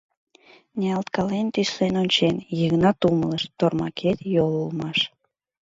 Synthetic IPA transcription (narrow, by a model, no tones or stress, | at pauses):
neɑlt̪kɑlent̪yslenonʲt͡ɕenjəɣnɑt̪umələʃt̪ormɑ̰kʰet̪jolulmɑʃ